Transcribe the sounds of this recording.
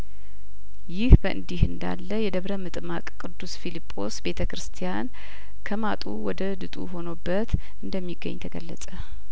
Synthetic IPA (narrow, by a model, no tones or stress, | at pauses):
jɪhbəʔɨ̰nd̪ihɨnd̪a̰lːəjɛd̪əβɾəmɨt̪ʼmakʼkʼɨd̪ːusfilipʼːo̞sbe̞t̪ʰəkɾɨst̪ʰijan | kʰəmat̪ʼuwɔd̪əd̪ɨt̪ʼṵɦo̞nobːət̪ | ɨnd̪əmːiɡːə̰ɲːt̪ʰəɡə̰lːə̰sʼə